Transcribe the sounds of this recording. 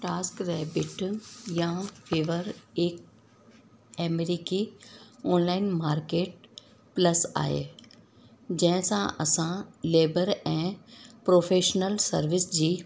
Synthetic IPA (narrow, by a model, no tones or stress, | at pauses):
ʈaːskɾɛːbɪʈjãfiːʋəɾek̚ | ɛːmeɾiːkiɔːnlaːɪnmaːɾkeːʈ̚ | plɐsa̰ːḛː | d͡ʑɐ̃ɦɪ̃sãʔɐ̰sãleːbəɾɛ̃ːpɾoːfʰeːʃnəlsɐɾʋɪsd͡ʑiː